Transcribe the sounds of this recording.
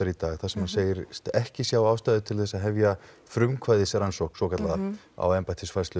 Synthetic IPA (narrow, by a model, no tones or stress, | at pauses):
aɾit̪aːɣθasɛmhanseːjɪɾst̪ɛhcɪsjaːwaːwst̪ajðʏt̪ʰɪlθɛsːaðɦɛvja | fɾʏmkʰvajðɪsɾansohksɔkʰat̪laða | a̰wɛmpat̪ʰɪsfajst̪ʏ